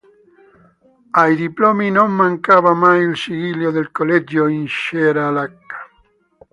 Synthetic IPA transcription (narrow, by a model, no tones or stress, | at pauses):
ajðiplominomːãŋkaβamajilsiɣiljoðelkolɛd͡ʒoinʃeɾaːlakːḁ